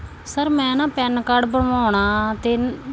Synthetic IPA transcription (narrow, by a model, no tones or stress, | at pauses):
səɾmɛ̃ːnãːpɛnkaːɖbəɽaːɳ̃aːt̪eː